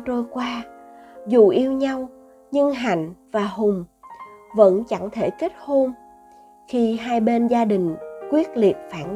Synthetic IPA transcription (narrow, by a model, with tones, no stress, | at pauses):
t͡ɕo˧jkwaː˧zu˨˩ʔi˧əwɲa˧w | ɲɨ˧ŋɦa̰˧˨jŋ̟vaː˨˩ɦʊ˨˩ŋ͡m | və̰˧˥nt͡ɕa˧˥ŋt̪ʰe˧˩ke˦˥t̚ho˧m | xi˧ɦaː˧jɓe˧nzaː˧ɗï˨˩ŋ̟kwi˦˥ət̚li˨˩ət̚faː˧˩n